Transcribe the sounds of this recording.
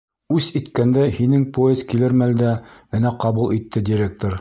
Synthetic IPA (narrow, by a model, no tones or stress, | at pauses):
ʉsit̪kænd̪æhinɘŋpojezkilɘɾmæld̪æɘ̆næqɑβulˠit̪ːɘd̪ʲiɾʲek̚t̪oɾ